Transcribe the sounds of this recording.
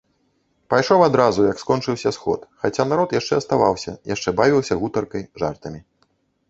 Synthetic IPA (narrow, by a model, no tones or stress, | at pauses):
pajʂɔwad̪ɾazujɐkskɔnt͡ʂɨwsʲɐsxɔ̰t̪xat͡sʲanaɾɔt̪jaʂt͡ʂɛɐst̪avawsʲɐ̰jʔaʂt͡ʂɛbavʲiwsʲɐɣut̪ɐrkɐjʐa̰rt̪ɐmʲi